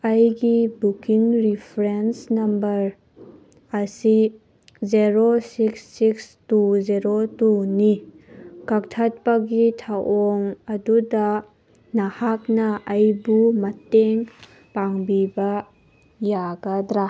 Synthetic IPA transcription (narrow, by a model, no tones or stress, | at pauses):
ɐjɡibukiŋɾipʰɾensnɐmbɐɾ | ɐsi | zeɾosiksːikstuzeɾotuni | kɐk̚tʰɐt̚pɐɡitʰawʔoŋɐdudɐ | nɐhak̚nɐʔɐjbumɐteŋ | paŋbibɐ | jaɡɐdɾa